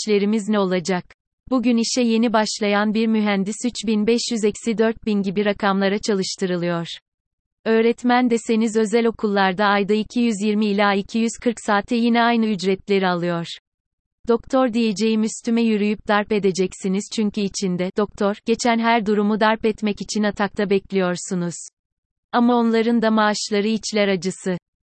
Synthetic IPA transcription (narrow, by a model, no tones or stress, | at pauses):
t͡ʃlʲe̞ɾimiznɛo̞lˠad͡ʒak̚ | buɟyniʃɛje̞nibaʃlˠajanbiɾmyɦænd̪isyt͡ʃbinbɛʃjyzɛcsid̪øɾt̪̚binɟibiɾakʰamlˠaɾat͡ʃʰalˠɯʃt̪ʰɯɾɯlˠɯjoɾ̥ | ø̞ːɾɛt̪mænd̪ɛse̞nizø̞zɛlʲo̞kʰulˠːaɾd̪aːjd̪aicʰijyzjiɾmiːlʲaːicʰijyz̥kʰɯɾksaːt̪ʰɛjinɛajnɯyd͡ʒɾɛt̪lʲe̞ɾialˠɯjoɾ̥ | d̪̥o̞kt̪ʰo̞ɾd̪ije̞d͡ʒe̞jimyst̪ʰymɛjyɾyjyp̚d̪aɾpe̞d̪e̞d͡ʒɛcsiniz̥t͡ʃʰyɲcʰyːt͡ʃʰind̪ɛd̪̥o̞kt̪ʰo̞ɾɟ̥e̞t͡ʃʰænɦæɾd̪uɾumud̪aɾpɛt̪mɛcit͡ʃʰinat̪ʰakt̪ʰabɛclʲijo̞ɾsunuz̥ | amao̞nlˠaɾɯnd̪amaːʃlˠaɾɯit͡ʃlʲæɾad͡ʒɯsɯ